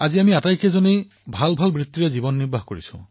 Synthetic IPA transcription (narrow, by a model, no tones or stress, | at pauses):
aziamiatajkʰezɔni | bʱalbʱalbɹit̪ːiɹɛzibɔnːiɹbʱaɦkoɹḭsṵ̃